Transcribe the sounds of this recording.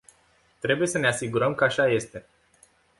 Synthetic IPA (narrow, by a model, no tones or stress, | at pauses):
t̪ɾe̞buje̞səne̞asiɡuɾəmkəaʃaje̞st̪e̞